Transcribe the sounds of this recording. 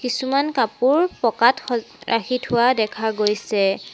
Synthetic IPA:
kisumankapuɹpɔkatxɔ | ɹʔa̰xʰitʰʊwadɛkʰaɡojsɛ

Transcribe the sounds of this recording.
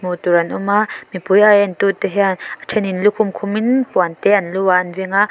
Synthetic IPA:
mut̪uɾɐnʔumamipujajɐnt̪ut̪ɛɦɛanatʰɛninlukʰʊmkʰʊminpuant̪ɛʔɐnluaɐnviŋa

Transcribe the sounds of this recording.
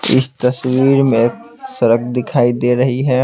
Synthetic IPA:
ɪ̰st̪ɐswiːɾmẽeːk̚ | sɐɾəkd̪ɪkʰaːid̪eːɾɐɦiɦɛː

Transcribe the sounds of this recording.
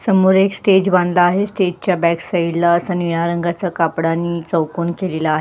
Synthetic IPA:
səmuːɾeksʈed͡ʑbãnd̪laːɦesʈed͡ʑ̚t͡ɕjabæksəiɽlaəsaniɽ̃aɾəŋɡʱat͡sakapɽanːiːt͡səwkuːnkelelaːɦe

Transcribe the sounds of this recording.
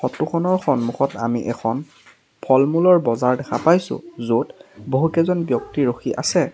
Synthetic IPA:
xɔtuxʰɔnɔɹxɔnmuxɔta̰miʔɛkʰɔn | pʰɔlmulɔɹbɔzaɹdɛxʰapajsʊ̰̃zotboɦukɛzɔnbjɔktiɹoxiʔa̰sɛ

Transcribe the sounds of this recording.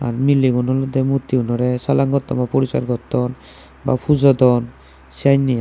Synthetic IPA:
a̰ɾmilːiɡɔnɔlɔd̪ɛmut̪ːiunɔɾesalaŋɡɔt̪ːɔbapɔɾisa̰ɾɡɔt̪ːɔn | ba̰pʰuzɔd̪ɔn | siajnːia

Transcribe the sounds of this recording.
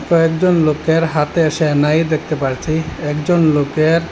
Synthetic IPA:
pɔek̚d͡ʑonlokeɾɦat̪eeʃenajd̪ek̚ʰt̪epaɾt͡ɕʰiɛkd͡ʑonlokeɾ

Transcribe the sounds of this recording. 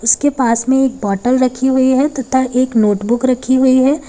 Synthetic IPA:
ʊskepaːsmẽeːk̚bɔːʈəlɾɐkʰiɦʊiɦɛt̪ɐt̪ʰaʔeːknoːʈbʊkɾɐkʰiɦʊiɦɛː

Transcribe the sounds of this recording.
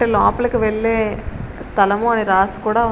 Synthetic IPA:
ɯlaːpɐlɯkːɯʋɛɭːe | st̪ʰɐlɐmõɐneɾaːskuːɽaːʋɐ

